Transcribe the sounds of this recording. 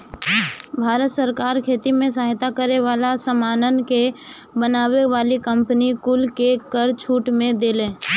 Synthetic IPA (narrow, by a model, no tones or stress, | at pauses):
bʱaːɾət̪səɾkaːɾkʰeːt̪imẽs̬aɦɪt̪akəɾeʋaːlasəmaːnənke | bənaːweʋaːlikə̃mpənikʊlkekəɾt͡ʃʰuːʈmẽd̪eːlẽː